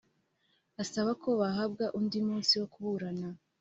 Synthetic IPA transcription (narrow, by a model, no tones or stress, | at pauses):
asaβakʰo̞βaɦab̚ɡaʔundimuːnsiwo̞kuβuɾana